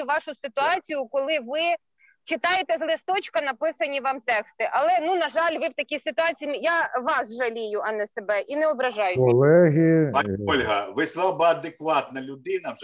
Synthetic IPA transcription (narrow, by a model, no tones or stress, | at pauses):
ʋɑʃʊsɪt̪ʊɑt͡sʲijʊkɔlˠɪʋɪ | t͡ʃɪt̪ɑjet̪ɛzlˠɪst̪ɔt͡ʃkɐnɐpɪsɐnʲiʋɑmt̪ɛkst̪ɪʔɐlˠɛnunɐʒɑlʲʋɪwt̪ɐkʲisɪt̪ʊɑt͡sʲijjaʋɑsʒɐlʲijʊʔɐnɛsebɛʔinɛɔbɾɐʒɑjʊkɔlˠɛɦʲiɔlʲɦɐʋɪslˠɑbɐɐd̪ekʋɑt̪nɐlʲʊd̪ɪnɐ